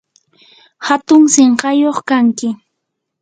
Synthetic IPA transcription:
hat̪ʊŋseɴɢɑjoχkaŋkɪ

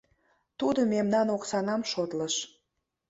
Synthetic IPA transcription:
t̪ud̪omemnɑnoksɑnɑmʃot̪ləʃ

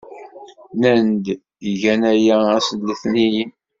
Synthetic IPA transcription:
nænd̪ | əʝænæjææsəlːiθnijin

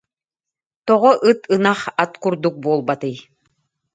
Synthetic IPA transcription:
t̪ɔʁɔʔɯt̪ɯnaχat̪kuɾd̪uk̚buɔlˠbat̪ɯj

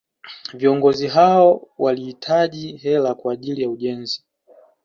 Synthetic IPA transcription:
viɔŋɡɔziɦaɔwalihitʰaʄihɛlakwaːʄilijauʄɛnzi

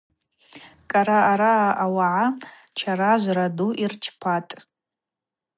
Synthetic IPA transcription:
kʼaɾaːɾaːʔawaʕa | t͡ʃʰaɾaʒʷraduʔirt͡ʃʰpʰatʼ

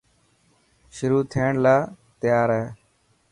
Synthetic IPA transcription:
ʃʊɾuːt̪ʰiːɳlaː | t̪ɪjaːɾɦɛː

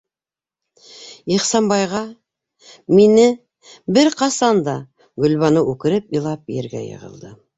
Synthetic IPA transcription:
iχsɑmbɑjʁɑ | minɪ | bɪɾqɑsɑnd̪ɑ | ɡɵ̆lβɑnɤʔʉkɘ̆ɾɘpijlˠɑpjḛɾɡæ̰jɤ̰ʁə̰̆lˠd̪ɤ

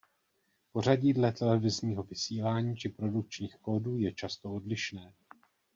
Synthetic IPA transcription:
po̞r̝aɟiːdlɛt̪ɛlɛvɪzɲiːɦo̞vɪsiːlaːɲiːt͡ʃɪpɾo̞duk̚t͡ʃɲiːxko̞ːduːjɛt͡ʃast̪oo̞dlɪʃnɛː

